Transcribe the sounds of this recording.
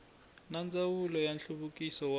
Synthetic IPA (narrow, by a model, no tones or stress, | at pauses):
nand͡zawulɔjanɬuβukʼisɔw